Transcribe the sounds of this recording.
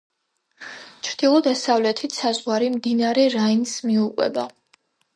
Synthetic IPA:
t͡ʃʰɾd̪̥ilˠɔd̪asavlɛt̪ʰit̪ʰsazʁwaɾimd̪inaɾɛɾainsmiukʼwɛ̰ba

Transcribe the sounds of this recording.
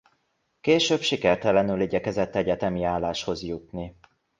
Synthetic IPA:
keːʃøːbʃikɛrt̪ɛlɛnyliɟɛkɛzɛt̪ːɛɟɛt̪ɛmiaːlːaːʃho̞zjut̪ni

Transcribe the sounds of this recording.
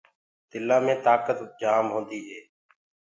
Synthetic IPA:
t̪ɪlãːmẽːt̪aːkət̪d͡ʒaːmɦõːnd̪iːɦeː

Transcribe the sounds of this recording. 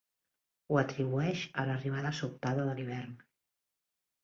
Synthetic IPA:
uət̪ɾiβuɛʃələriβ̞aðəsut̪aðəðəliβ̞ɛrn

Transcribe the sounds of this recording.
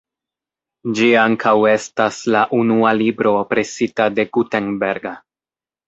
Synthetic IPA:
d͡ʒiaŋkʰawe̞staslaʔunualibɾo̞ːpɾe̞sitade̞ɡuteŋbeɾɡa

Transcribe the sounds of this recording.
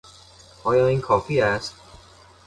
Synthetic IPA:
ʔɒːjɒːiːnkʰɒːfiːæst̪̚

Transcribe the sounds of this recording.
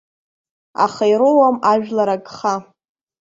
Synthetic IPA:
a̰χajɾowamaʒᶣlaɾaɡχa

